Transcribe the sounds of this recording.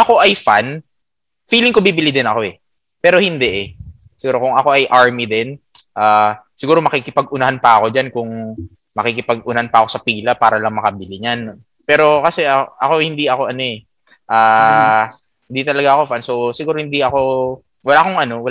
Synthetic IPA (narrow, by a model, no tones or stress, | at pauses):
ʔɐko̞ʔɐjfan | fiːlɪŋkobibɪlid̪ɪnɐko̞ʔɛ | pɛːɾo̞hɪnd̪ɛʔɛ | sɪɡuːɾo̞kʊŋɐko̞ʔɐjʔaɹmid̪ɛnʔaːsɪɡuːɾo̞mɐkikɪpɐɡ̚ʔʊnɐhanpɐɐko̞d͡ʒankʊŋ | mɐkikɪpɐɡ̚ʔʊnɐhanpɐʔɐko̞sɐpiːlɐpaːɾɐlɐŋmɐkɐbɪlɪɲan | pɛːɾo̞kɐsɛʔɐʔɐko̞hɪnd̪iʔɐko̞ʔɐno̞ɛ | ʔaː | hɪnd̪it̪ɐlɐɡaʔɐko̞fanso̞sɪɡuːɾohɪnd̪iʔɐko̞ | wɐlaːkoŋɐno̞wɐ